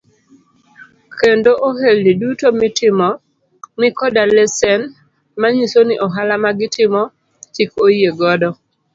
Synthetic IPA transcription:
kendoʔoɦelːidutomɪtɪmɔ | mɪkɔdalɛsɛn | maɲisoniʔɔɦalamaɡɪtɪmɔ | t͡ʃikojeɡɔdɔ

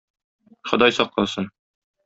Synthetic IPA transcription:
χŏd̪ɑjsɒqlˠɑsɤn

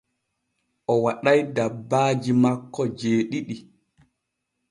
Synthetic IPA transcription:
ʔɔwaɗajdabːaːd͡ʒimakːɔd͡ʒeːɗiɗi

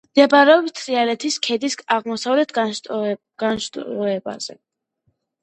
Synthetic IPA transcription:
md̪̥ɛbɾɛɔbt̪ʰɾialɛt̪ʰiskʰɛd̪isaʁmɔsavlɛt̪ʰ | ɡ̥anʃt̪ʼɔɛba̰z̥ɛ

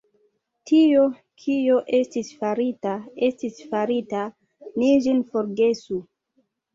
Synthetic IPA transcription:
tʰio | kʰioʔe̞stisfaɾitaestisfaɾita | niʒinfoɾɡe̞su

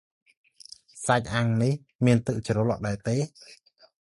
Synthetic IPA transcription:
sac̚ʔaŋnih | miənt̪ɨk̚t͡ɕrolo̰ʔɗaɛt̪eː

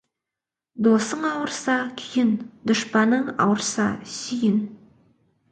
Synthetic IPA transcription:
d̪osəɴɑwəɾsɑkʲʰijɪnd̪̥ʊʃpɑnəɴɑ̰wəɾsɑ̰sʏjɪn

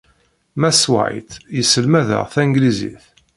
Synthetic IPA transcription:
mæswa̰jt̪jəsəlmæðə̰ʁθæŋɡlizḭθ

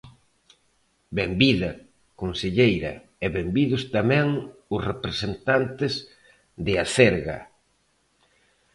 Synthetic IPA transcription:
bembiðɐ | konseʎejɾɐ̰ | ɛβembiðʊst̪amɛ̃ŋʊsrepɾesent̪ant̪ɪz | ðɪaθɛɾɣɐ̰

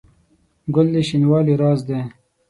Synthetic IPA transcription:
ɡʊlːiʃinwɑːliɾɑːzd̪eː

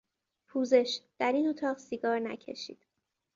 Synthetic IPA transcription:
pʰuːze̞ʃd̪̥æɾiːnot̪ʰɒːʁsiɡɒːɾnæ̰cʰe̞̰ʃḭːd̪̥

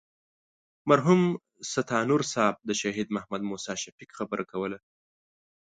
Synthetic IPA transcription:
maɾɦum | sat̪ʰɑnuɾsɑb̚d̪əʃɑɦid̪mahmad̪musɑʃafikxabəɾʔakawəla

